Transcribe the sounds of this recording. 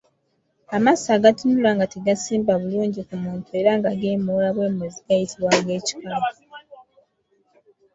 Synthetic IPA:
amasaːɡatunulaŋɡateɡasiːmbaβuluːɲɟikumuːntue̞ɾaŋɡaɡeːmolaβwe̞ːmweziɡajitiβwaŋɡe̞ːci̥kaɡ

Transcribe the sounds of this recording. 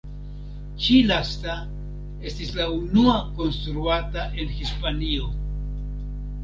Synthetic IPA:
t͡ʃilast̪a | e̞st̪islaunuako̞nst̪ɾuataʔe̞nxispanio

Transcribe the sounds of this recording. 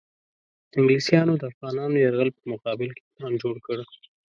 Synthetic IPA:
d̪əɪŋɡlisjɑnod̪əafɣɑnɑnojaɾɣəlpəmʊqɑbɪlke̥lɑnd͡ʒoɽkəɽ

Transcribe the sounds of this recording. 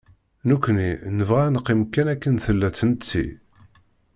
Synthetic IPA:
nukʷːninəvʁænəqːimkːænækːənθəlːæt͡sːənt͡sːḭ

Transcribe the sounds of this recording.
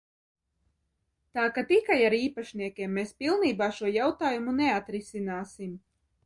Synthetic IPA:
t̪aːkat̪ikajaɾiːpaʃniɛkʲiɛmːespilˠniːbaːʃuɔjawt̪aːjumuneat̪ɾisinaːsim

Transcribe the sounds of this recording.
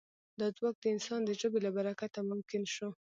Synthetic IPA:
d̪ɑd͡zwɑk̚d̪əɪnsɑnd̪əʒobelabaɾakat̪amʊmkɪnʃo

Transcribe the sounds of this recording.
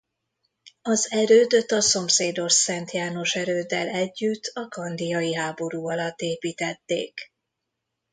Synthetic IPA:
ɒzɛɾøːd̪ø̞t̪ːɒso̞mseːd̪o̞ʃsɛnt̪jaːno̞ʃɛɾøːd̪ːɛ̰lɛɟːyt̪ʰːɒkɒnd̪ijɒjiɦaːbo̞ɾuːɒlɒt̪ːeːpiːt̪ɛt̪ːḛːk

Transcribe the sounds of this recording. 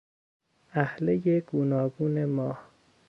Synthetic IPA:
ʔæhlejeɡ̥uːnɒːɡuːnemɒːh

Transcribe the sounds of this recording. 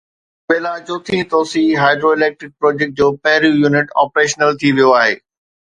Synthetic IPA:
ɓeːlad͡ʑoːt̪ʰĩt̪oːsiɦaːɪɖɾoɪleːk̚ʈɾɪk̚pɾɔːd͡ʑek̚ʈ̚d͡ʑoːpɐ̃ɦɪɾũjuːnɪʈɔːpɾeːʃnəlt̪ʰiʋijoaːɦeː

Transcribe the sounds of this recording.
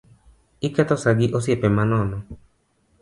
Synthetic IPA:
ikat̪ɔsaɡiʔos̬iɛpɛmanɔnɔ̃

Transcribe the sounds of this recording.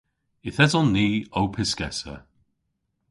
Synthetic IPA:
ɪθɛzɔnːiːowpʰɪskɛsə̰

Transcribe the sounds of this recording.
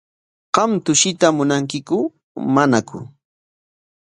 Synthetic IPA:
qɑmt̪ʊʃɪt̪amʊnaŋkɪkʊ | manakʊ̰

